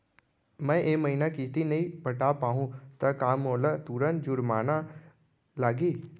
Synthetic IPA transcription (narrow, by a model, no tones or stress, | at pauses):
mɛ̃ːʔeːməɦiːnakit̪inɐɦĩpɐʈapaːɦũt̪ɐkaːmoːlət̪uːɾənd͡ʒʊɾmaːna | laːɡiː